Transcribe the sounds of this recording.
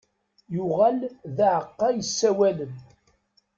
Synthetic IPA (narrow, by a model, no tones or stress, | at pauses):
jʊʁælðaʕəqːɑjəsːæwæləm